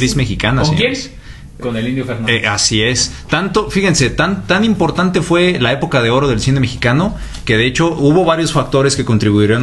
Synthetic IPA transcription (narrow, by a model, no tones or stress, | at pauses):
ɾismexikanasḭjen | konelind̪jofeɾnʔasie̞st̪ant̪ofixe̞nse̞t̪ant̪animpo̞ɾt̪ant̪e̞fwe̞lae̞po̞kaðe̞o̞ɾo̞ð̞e̞lsine̞me̞xikano̞ | ke̞ðe̞e̞t͡ʃo̞uβo̞βaɾjo̞sfak̚t̪o̞ɾe̞ske̞ko̞nt̪ɾiβuieɾian